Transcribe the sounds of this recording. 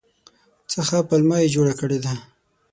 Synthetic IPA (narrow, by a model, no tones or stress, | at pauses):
t͡səxapəlmɑjed͡ʒoɽakəɽed̪a